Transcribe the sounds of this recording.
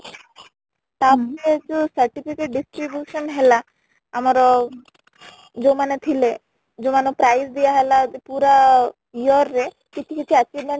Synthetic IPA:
t̪apɔɾet͡ʃusəɾʈipikeʈ̚ɖisʈɾibjuʃɔnɦelaː | mɔɾɔ | d͡ʒomanet̪ʰile | d͡ʒomanopɾajsd̪ijaɦelapuɾa | iɔɾːe | kit͡ʃʰikit͡ʃʰiat͡ʃibmeɳ

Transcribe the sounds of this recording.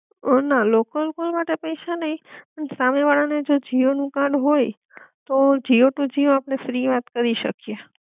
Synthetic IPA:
nalokəlkolmaʈepəjʃanəɦĩpəɳsameʋaɭaned͡ʒod͡ʒionũkãɽɦoj | t̪od͡ʒioʈũd͡ʒioapɽ̃efɾiʋat̪kəɾiʃə̰kje

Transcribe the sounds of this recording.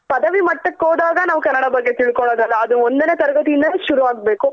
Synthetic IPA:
pɐd̪ɐʋimɐʈːɐkːoːd̪aːɡɐnaːʋukɐnːɐɽɐbɐɡːe̞t̪iɭkoɳoːd̪ɐlːɐːd̪uond̪ɐne̞ːt̪ɐɾɐɡɐt̪ijind̪ɐʃuɾuʋaːɡ̚beːku

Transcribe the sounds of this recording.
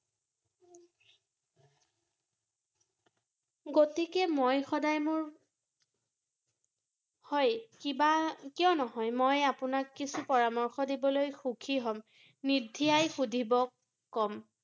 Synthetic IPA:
ɡotikɛmojxɔdajmʊɹ | hɔjkibakijɔ̃nɔɦɔjmojapʊnakːisupɔɹamɔɹxɔdibɔlojxukʰiɦɔm | nidʱːiajxudʱibɔkː | ɔm

